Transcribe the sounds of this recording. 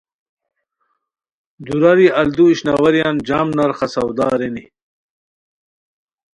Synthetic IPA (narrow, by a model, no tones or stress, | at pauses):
d̪uɾaɾiɐld̪uiɕnawɐɾjaːnd͡ʑaːmnɐɾχasɐwd̪aːɾeni